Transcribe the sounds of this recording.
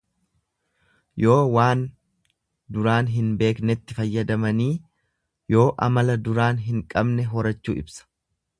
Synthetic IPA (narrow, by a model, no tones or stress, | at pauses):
jo̞ːwaːn | d̪ʊɾaːnɦɪnbe̞ːknɛt̪ːɪfɐjːɐd̪ɐmɐniː | jo̞ːʔɐ̰mɐlɐd̪ʊɾaːnɦɪŋkʼɐbnɛɦɔɾɐt͡ʃːṵːʔɪ̰bsɐ̥